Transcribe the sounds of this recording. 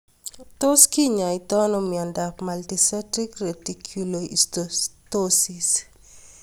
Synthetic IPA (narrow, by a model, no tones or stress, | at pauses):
toskiɲait̪ɔnɔmiɔndapmaltisɛtɾikretikʰjuloisttosis